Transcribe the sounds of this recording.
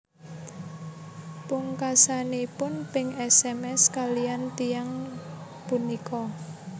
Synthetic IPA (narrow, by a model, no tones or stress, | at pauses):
puŋkasanipʊnpɪŋɛsɛmɛskalijant̪ijaŋ | punikɔ